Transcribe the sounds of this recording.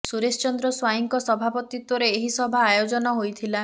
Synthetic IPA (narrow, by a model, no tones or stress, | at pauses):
suɾest͡ʃɔnd̪ɾɔswajiŋkɔsɔbʱapɔt̪it̪wɔɾeːɦisɔbʱaːjod͡ʒɔnɔɦojt̪ʰila